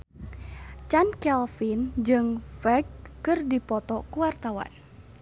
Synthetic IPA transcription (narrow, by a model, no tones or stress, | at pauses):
t͡ʃankɛlfind͡ʒɨŋfɛrɡ̚ːɨrdipɔt̪ɔkuwart̪awa̰n